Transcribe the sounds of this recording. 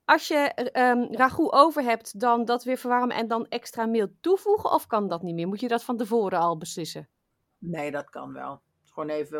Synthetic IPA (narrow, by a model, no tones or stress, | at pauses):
ʔɑsjəəraχuʔowvəɹɦɛp̚tdɔndɔtʋɪɹvəɹʋɔrmə̰ʔɛ̰ndɔnɛkstraːmɪlˠtuv̥uɣəʔɔfkɑndɔtnitmɪːɹmutjədɔtfɔntəvoːɾəɔlˠbəslɪsə | neːdɑtkɑ̰nʋɛ̰lˠ | χoːnejvə